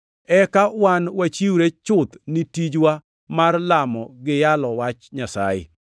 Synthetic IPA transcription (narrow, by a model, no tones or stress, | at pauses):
ɛkawanwat͡ʃiuɾet͡ʃʊt̪nitid͡ʒwa | marlamɔɡɪjalɔwat͡ʃɲasa̰jɪ̰